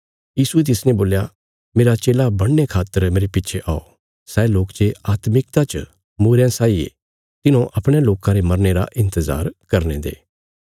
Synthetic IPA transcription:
jiːsuet̪̬ɪsnẽboːlja | meːɾat͡ʃeːlabɐɽ̃nːekʰaːt̪ːəɾmeːɾepɪtːt͡ʃʰeʔaːo̰ | sɛːloːkt͡ʃeaːt̪mɪk̚t̪at͡ʃə | muːɾjãsaːiḛ | t̪ɪnõʔɐpɽ̃jãloːkãɾemɐɾneɾa̰ʔɪ̃nt̪əza̰ːɾkɐɾnḛd̪ḛː

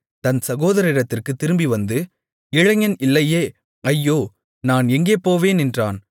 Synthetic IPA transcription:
t̪ɐnsɐɣoːðɐɾɪɾɐt̪ːɪrkɯt̪ːɪɾɯmbiʋɐnd̪ɯ | ɪɻɐŋɐnɪlːɐjeː | ɐjːoː | naːnɛŋɡeːpoːʋeːnɛndraːn

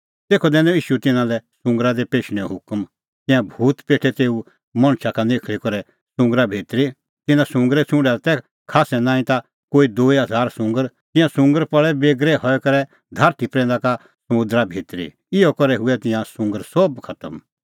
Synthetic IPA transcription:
t̪eːkʰɔd̪ɛ̃ːnõiːʃut̪ɪ̃nãlɛsʊ̃ŋɡɾad̪epeːʃɽ̃ɛɦʊkəm | t̪ɪ̃jãbʱuːt̪peːʈʰɛt̪eːu | mɐ̃ɽ̃ʃakaneːkʰlikɔɾɛ | sʊ̃ŋɡɾabʱeːt̪ɾi | t̪ɪnãsʊ̃ŋɡɾɛt͡sʰʊ̃ɳɖɛt̪ɛ | kʰaːsɛnãːĩt̪a | koːid̪oːiɦɐzʱaːɾsʊ̃ŋɡəɾ | t̪ɪ̃jãsʊ̃ŋɡəɾpɐɭɛbeːɡɾɛhɔɛkɐɾɛ | d̪ʱaːɾt̪ʰipɾɛ̃ːn̆d̪aka | sɐmʊ̃d̪ɾabʱeːt̪ɾḭ | ɪɔkɔɾɛɦʊɛt̪ɪ̃jãsʊ̃ŋɡəɾsɔbkʰɐt̪əm

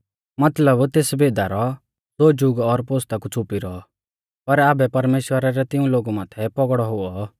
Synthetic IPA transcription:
mɐt̪ləbt̪eːsbeːd̪aɾɔ | d̪oːd͡ʒʊɡɔɾpoːst̪akut͡sʰʊpiɾɔɔ | pɐɾaːbɛpɐɾmeːʃwəɾaɾɛt̪ɪũloːɡumãːt̪ʰɛpɔɡɽɔɦʊɔ

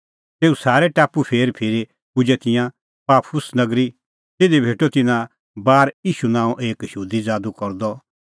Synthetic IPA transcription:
t̪eːusaːɾɛʈaːpupʰeːɾpʰeːɾi | pʊd͡ʒɛt̪ɪjã | paːpʰʊsnɐɡɾi | t̪eːd̪ibʱeːʈot̪ɪnã | baːɾiːʃunãːũʔeːkʃuːd̪id͡zaːd̪ukɔɾd̪ɔ

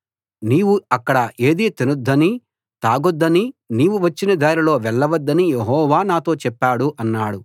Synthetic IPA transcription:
niːwuɐkːɐɽɐʔe̞ːd̪iːt̪enud̪ːɐni | t̪aːɡɔd̪ːɐniniːʋuʋɐt͡ʃːinɐd̪aːɾilo̞ːʋɛɭːɐʋɐd̪ːɐnijeɦɔːʋaːnaːt̪o̞ːt͡ʃɛpːaːɽuʔɐnːaːɽu

